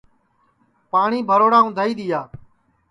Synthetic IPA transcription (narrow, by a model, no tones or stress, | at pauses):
paːɳiːbʱəɾoːɽaːʊ̃d̪ʱaːiːɗ̪ɪːjaː